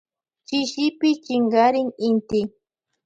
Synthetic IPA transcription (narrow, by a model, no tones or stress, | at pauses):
t͡ʃɪʃɪpɪt͡ʃɪŋɢaɾɪŋɪnt̪ɪ